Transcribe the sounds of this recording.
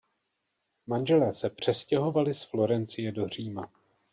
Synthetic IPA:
manʒɛlɛːsɛpr̝̥ɛscɛɦo̞valɪsflo̞ɾɛnt͡sɪjɛdo̞r̝iːma

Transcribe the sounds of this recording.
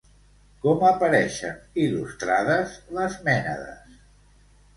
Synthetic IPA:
kɔməpəɾɛʃə̰nilust̪ɾaðəzləzmɛnəðə̰s

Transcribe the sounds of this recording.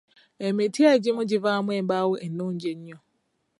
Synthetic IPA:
emetiad͡ʒɪmʊ̃d͡ʒɪvamʷebawʊʔenʊ̃n̩d͡ʒeɲ̩ɲɔ

